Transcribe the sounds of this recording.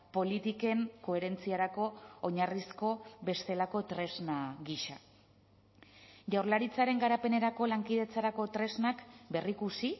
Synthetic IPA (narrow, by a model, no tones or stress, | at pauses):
po̞lit̪ike̞ŋko̞e̞ɾe̞nt͡siaɾako̞ːɲarisko̞βe̞st̪e̞lako̞t̪ɾe̞znaɣiʃa | ʝawɾlaɾit͡saɾe̞ŋɡaɾape̞ne̞ɾako̞laŋkiðe̞t͡saɾako̞t̪ɾe̞znakbe̞rikusi